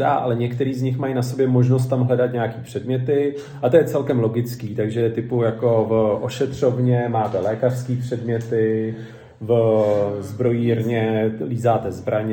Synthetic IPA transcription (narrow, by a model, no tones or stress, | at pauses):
daːʔalɛɲɛkt̪ɛɾiːzɲɪxmajnaso̞bjɛmo̞ʒnos̬t̪ːamɦlɛdat̪ɲaakiːpr̝̥ɛdmɲɛt̪ɪ | ʔat̪ojɛt͡sɛlkɛmlo̞ɡɪt͡skiːt̪aɡʒɛɛt̪ɪpujako̞vʔoʃɛt̪r̝̥o̞vɲɛmaːt̪ɛlɛːkar̥skiːpr̝̥ɛdmɲɛt̪ɪ | v | zbɾo̞jiːɾɲɛliːzaːt̪ɛzbɾʔaɲ